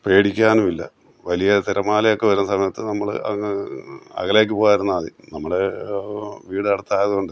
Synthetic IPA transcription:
pe̞ːɽikʲːaːnumilːɐ̰ | ʋɐlijɐt̪iɾɐmaːlɐjokːeʋɐɾumsɐmɐjɐt̪ːɨnɐmːɐɭ̰ɐ̰ŋː | ɐ̰ɣɐleːk̬ʲːɨpoːjaːiɾunːɐːðinɐmːɐɽe | ʋiːɽɨɐɽɐt̪ːaːjɐðuɣoɳɖɨ

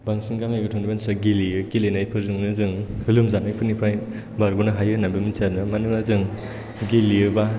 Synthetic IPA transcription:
baŋsiŋkaŋajɯtʰɯŋnibansaɡiliɯkilenajpʰɯɾzɯŋnɯzɯŋhɯlɯmzanajpʰɯnipʰɾaj | baɾɡunɯɦajɯnabɯmisʰadnɯmanɯlazɯŋ | ɡilijɯba

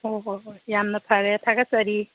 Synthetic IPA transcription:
oɦjamnʌpʰaɾet̪ʰakasʌɾi

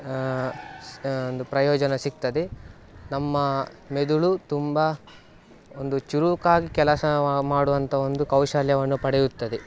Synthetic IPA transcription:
ond̪upɾɐjɔːd͡ʒɐnɐsik̚t̪ɐd̪e | nɐmːɐ | med̪uɭut̪umbɐ | ond̪ut͡ʃuɾukaːɡikɛlɐsɐmaːɽuʋɐnt̪ʰɐo̞nd̪ukɐwʃaljɐʋɐnːupɐɽɛjut̪ːɐd̪e

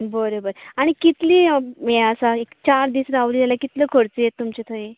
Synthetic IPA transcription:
bəɾobəɾaɽ̃ikit̪liːeəsaekt͡ɕaɾd̪iːsɾaʋlijalakit̪ləkʰoɽt͡sejet̪ːumt͡ɕet̪ʰəĩ

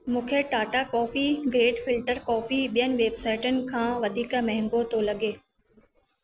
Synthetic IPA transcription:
mũːkʰeʈaːʈakɔːfiɡɾeːɖfɪlʈəɾkɔːfiɓijənɪ̆ʋeːbsaːɪʈənɪ̆kʰãːʋɐd̪ʱiːkəmɛɦɪ̃ŋɡot̪olɐɠeː

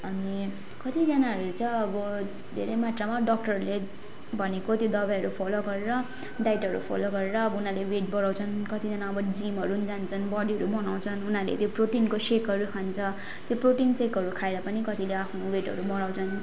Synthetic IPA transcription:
ʌni | kʌt̪id͡zʌnaɦʌɾut͡sʌʌbʌ | d̪ʱḛɾʌjmat̪ramaɖʌk̚ʈʌrle | bʱʌnekot̪jod̪ʌbajʌɾupʰoloɡʌɾeɾʌ | ɖajʈʌɾṵpʰo̰loɡʌɾeɾʌːbunaleweʈ̚bʌɽãw̃t͡sʰʌnkʌt̪id͡zʌnaʌbʌd͡zimɦʌɾund͡zant͡sʰʌnbʌɽiɦʌɾubʌnaw̃t͡sʰʌnunalḛt̪joproʈinkosekʌɾukʰant͡sʰʌ | t̪joproʈinsekʌɾukʰaeɾʌpʌnikʌt̪ileapʰnoweʈɦʌ̰ɾubʌɽãw̃t͡sʰʌn

